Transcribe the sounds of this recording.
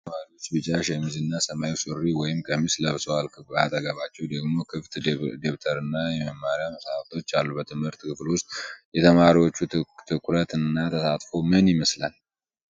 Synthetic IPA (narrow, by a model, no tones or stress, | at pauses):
maɾiwo̞t͡ʃːbɨt͡ʃʼaʃɛmizɨnːasəmajsɨrːiwɔjɪmkʼəmisləβswalkʰɨba̰t̪ʼəɡəβat͡ʃːɛwd̪əɡmo̞kʰɨft̪d̪eβt̪ʰəɾɨnːajɛməmːaɾijaməsaft̪ʰʼo̞t͡ʃːalːubət̪ʰɨmhɨɾt̪kɨflwʊst̪̚ʼjɛt̪ʰəmaɾiwo̞t͡ʃːut̪ʰɨkʰʼɾət̪ɨnːat̪ʰəsat̪fo̞mɨnjɪməsla̰n